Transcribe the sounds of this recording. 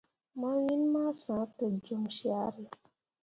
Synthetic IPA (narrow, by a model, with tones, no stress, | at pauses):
ma˦wi˦nma˦sã˨˦tə˨d͡ʒə˦mʃi˦a˦ɾi˨